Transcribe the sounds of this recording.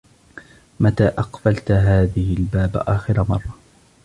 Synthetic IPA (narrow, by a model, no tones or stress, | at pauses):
mat̪aːʔɑqfalt̪ɦaːðɪhɪlbaːb̰ʔaːxɪɾamɑrˤːɑ